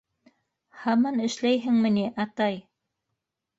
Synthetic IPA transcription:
hɑmɑnɘ̆ʃlæjɦɘŋmɘ̆niʔɑt̪ɑj

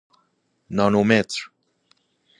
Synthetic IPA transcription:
nɔnomɛt̪ɾ

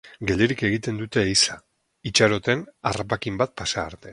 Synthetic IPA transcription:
ɡe̞leɾike̞ɣ̞it̪e̞nd̪ut̪e̞ːisa | it͡ʃaɾo̞t̪e̞narap̬akimbat̪̚pasaːɾt̪e̞

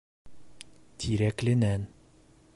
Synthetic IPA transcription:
t̪ʰiɾɛklɪnɛn

